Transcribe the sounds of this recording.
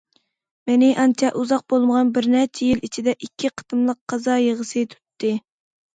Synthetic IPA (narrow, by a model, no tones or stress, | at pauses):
mɪnɪʔɑnt͡ʃʰɛʔuzɑq̚bolˠməʁɑnbɪɾnæɾt͡ʃʰijilit͡ʃʰid̪ɛʔikʲʰːiqʰə̥t̪ɨmlˠəqʰːɑzɑjeʁəsɨt̪ʰu̥t̪ʰːɨ